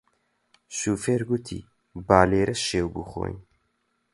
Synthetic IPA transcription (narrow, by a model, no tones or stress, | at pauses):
ʃuːfeːɾɡut̪ʰḭː | baːleːɾʔɛʃeːwbṵxo̰ːn